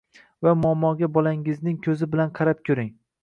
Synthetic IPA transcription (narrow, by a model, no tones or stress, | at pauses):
vamʊamːɒɡʲabɒlaŋɪznɪŋkʲʰɵzɪbɪlanqʰɑɾap̚kʲʰɵɾɪŋ